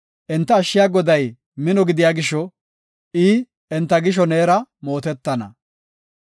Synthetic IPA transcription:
ʔɛnt̪ːɐːʃːɪjaːɡɔd̪ɐj | mɪnɔɡɪd̪ɪjaːɡɪʃːɔ | ʔɪː | ɛnt̪ːɐɡɪʃ̬ɔneːɾɐmo̞ːt̪ɛt̪ːɐnɐ̰

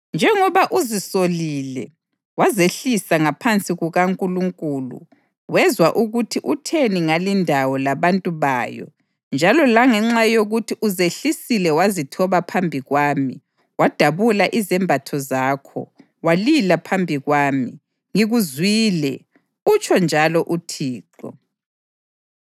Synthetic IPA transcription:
nd͡ʒʱɛŋɔβaʔuzisolilɛ | wazeɬisaŋapʰant͡sʼiɣuɣaŋkʼuluŋkʼuːlṵ | wɛzwaʔuɣutʰiʔutʰeniŋalindʱawɔlaβantʼuβa̰ːjɔ̰ | nd͡ʒʱalɔlaŋɛŋ͡ǁajoɣutʰiʔuzeɬisilɛwazitʰɔβapʰambʱiɣwaːmi | wad̥ʱaβulaʔizɛmbʱatʰɔzaːkʰɔ̰ | walilapʰambʱiɣwaːmi | ŋiɣuzwiːlɛ | ut͡ʃʰʼɔnd͡ʒʱalɔʔutʰiːǃɔ̰

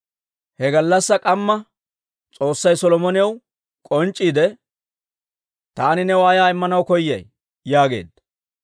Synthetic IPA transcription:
hɛɡɐlːɐsːɐkʼɐmːɐ | t͡sʼo̞ːsːɐjsɔlɔmɔnɪjɐw | kʼɔnt͡ʃʼːiːd̪ɛ | t̪aːnɪnɛwaːjaːɪmːɐnɐwkɔjːɐ̰j | jaːɡe̞̰ːd̪ːɐ

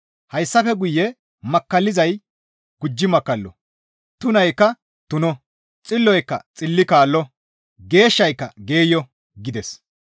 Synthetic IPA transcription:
hɐjsːɐfɛɡʊjːɛ | mɐkːɐlːɪzɐj | ɡ̥ʊd͡ʒːɪmɐkːɐlːɔ̰ | t̪ʊnɐjkːɐ | t̪ʊnɔ | t͡sʼɪlːɔjkːɐ̰t͡sʼɪlːɪkaːlːɔ | ɡe̞ːʃːɐjkːɐɡe̞ːjɔ | ɡɪd̪ɛs

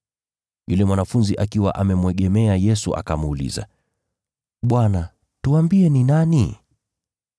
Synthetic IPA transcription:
julɛmwanafunziʔakiwa̰ʔamɛmwɛɠɛmɛajɛsṵʔa̰kamuːlḭza̰ | ɓwana | tuambiɛninani

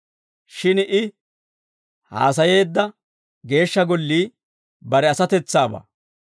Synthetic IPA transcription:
ʃɪnɪ | ha̰ːs̬ɐje̞ːd̪ːɐ | ɡe̞ːʃːɐɡɔlːiː | bɐɾɛɐsɐt̪ɛt͡sːaːba̰ː

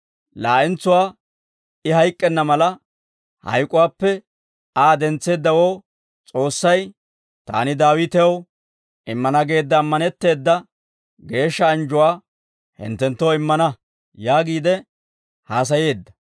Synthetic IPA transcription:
laːʔɪnt͡sːʊwaː | ɪhɐjkʼːɛnːɐmɐlɐ | hɐ̰jkʼʊwaːpːɛ | aːd̪ɛnt͡sːe̞ːd̪ːɐwoː | t͡sʼo̞ːsːɐj | t̪a̰ːnɪd̪aːwɪt̪ɛw | ɪmːɐnɐɡe̞ːd̪ːɐːmːɐnɛt̪ːe̞ːd̪ːɐ | ɡe̞ːʃːɐːnd͡ʒʊwaː | hɪ̰nt̪ːɛnt̪ːoɪmːɐnɐ | jaːɡiːd̪ɛ | haːs̬ɐje̞ːd̪ːɐ̥

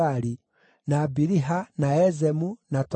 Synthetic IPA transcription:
aɾi | naːbiɾiɦanaɛzɛmunat

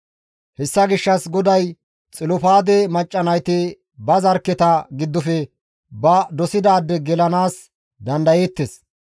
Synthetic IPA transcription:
hɛsːɐɡɪʃːɐsɡɔd̪ɐj | t͡sʼɪlʊpaːd̪ɛmɐt͡ʃʼːɐnɐjt̪ɪ | bɐzɐɾkːɛt̪ɐɡɪd̪ːʊfɛ | bɐd̪ɔsɪd̪aːd̪ːɛɡɛlɐnaːs | d̪ɐnd̪ɐjeːt̪ːes

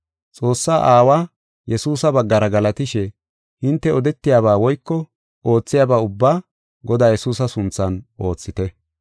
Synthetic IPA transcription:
t͡sʼo̞ːsːaːʔaːwaː | jɛsuːsɐbɐɡːɐɾɐɡɐlɐt̪ɪʃɛ | hɪnt̪ːɛɔd̪ɛt̪ːɪjaːβaːwɔjkːɔ | oːt͡sːɪjaːbaːʊbːaː | ɡɔd̪aːjɛsuːs̬ɐsʊnt͡sːɐnʔo̞ːt͡sːɪt̪ɛ

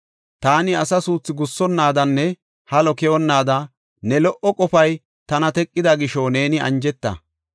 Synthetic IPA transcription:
t̪aːnɪɐsɐsuːt͡sːɪɡʊsːɔnːaːd̪ɐnːɛ | hɐlɔkɛɔnːaːd̪ɐ | nɛlɔʔɔkʼɔfɐj | t̪ɐnɐt̪ɛkʼːɪd̪ɐɡɪʃɔne̞ːnɪɐ̰nd͡ʒɛt̪ːɐ̰

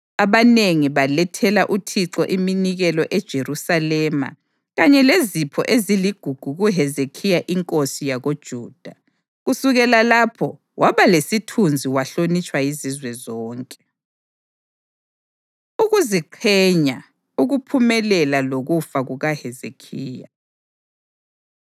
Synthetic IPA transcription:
aβaneŋiβalɛtʰɛlaʔutʰiǀɔʔiminiɣɛlɔʔɛd̥ʒ̥ʱeɾusalɛma̰ | ɣaɲɛlezipʰɔ̰ʔeziliɡ̥ʱuɡ̥ʱuɣuɦɛzekʰijaʔiŋkʼosijaɣod̥ʒ̥ʱuːd̥ʱa | ɣusuɣɛlalapʰɔ | wʔaβalesitʰund͡zʱiwaɬonit͡ʃʼwajizizwɛzɔːŋkʼɛ̥ | uɣuziǃʰɛɲa | uɣupʰumɛlɛlaloɣufaɣuɣahɛzekʰiːja̰

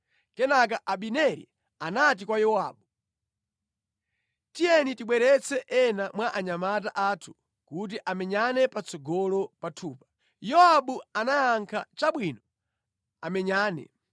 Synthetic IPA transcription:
kɛnak̬aʔaɓinɛɾḭ | anat̬ikwajɔa̰ːɓu | tijɛnitiɓwɛɾɛt͡sʰɛʔɛnamwaʔaɲamat̬aʔaːtʰu̥ | kut̬iʔamɛɲanɛpat͡sɔɡɔlɔpatʰuːpḁ | jɔaɓuanajaŋkʰa̰t͡ʃaɓwinɔ | amɛɲaːnɛ̰

